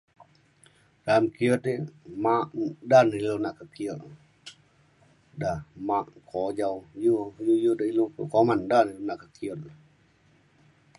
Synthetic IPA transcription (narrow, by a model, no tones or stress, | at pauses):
ɾamkiɔt̪emaʔdanilonaʔkakiɔt | damaʔkʰod͡ʒawjujujudailupukomandanilunaʔkakiɔt̪̚l